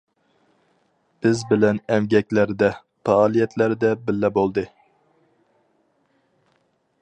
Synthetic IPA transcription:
b̥ɪzbɪlɛnɛmɡʲɛkʲlæɾd̪ɛ | pɑːlˠijɛt̪ʰlæɾd̪ɛbɪlːɛbolˠd̪ɨ

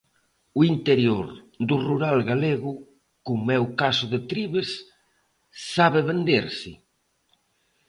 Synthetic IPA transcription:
uint̪eɾjoɾ | d̪uruɾalɣaleɣʊ | kumɛwkasʊðet̪ɾiβes | aβeβend̪eɾsɪ̰

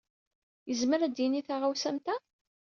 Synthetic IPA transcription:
jəzməɾæd̪jiniθaʁawsæmt̪æ

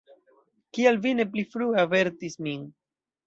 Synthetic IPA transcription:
kialvine̞p̬lifɾuave̞ɾtismin

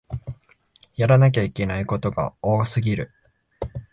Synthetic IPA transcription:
jaɾanak̬ʲaikʲe̞naiko̞t̪o̞ɡa̰o̞ːsɨɡʲiɾɯ̟

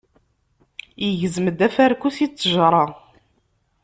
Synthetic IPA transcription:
jəʝəzməd̪æfæɾkːusit͡sːəʒɾˤɑ

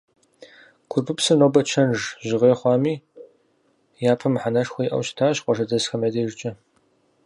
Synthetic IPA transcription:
kʷʰʊrpʰɨpsɨnoːbɐt͡ʃʰɐnʐʑɪʁeːχʷɑːmiː | jaːpʰɐmħanɐʂxʷɔjiʔɐ̰wɕtʰaːɕqʷʼɔʂɐzɐsxɐmɐdeːʒt͡ʃʼɐ

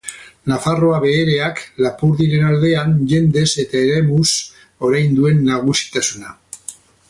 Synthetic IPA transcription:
nafaro̞aβe̞ːɾe̞aklapuɾðiɾe̞nald̪e̞anʝe̞nd̪e̞se̞t̪aeɾemus | o̞ɾajnd̪ue̞nːaɣ̞usi̥t̪asuna

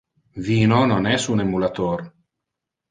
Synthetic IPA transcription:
viːnononɛsunemulat̪oɾ

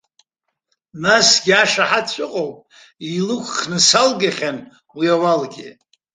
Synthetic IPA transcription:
nasɡʲiaʂaħatt͡ɕʷʼɨqʼowpʼ | ilɨkʷʰχnɨsalɡaχʲan | wiawalɡʲɪ

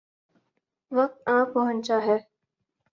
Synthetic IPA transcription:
ʋɐk̚t̪ãːpːəɦə̃nt͡ʃaːɦɛː

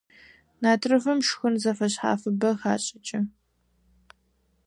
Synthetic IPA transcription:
naːtʰrɨfɨmʂxʊnzɐfɐɕħa̰ːfɨbɐxaːɕʼɐt͡ʃʼɐ

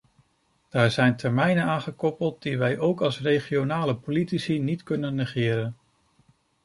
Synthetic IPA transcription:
d̥aːɹzɛjntʰɛɹmɛjnənaːnχəkɔpəlˠt̚d̥iʋɛjʔowkɑlˠsrejχionaːləpolitisinitkɵnənːəχɪːɾən

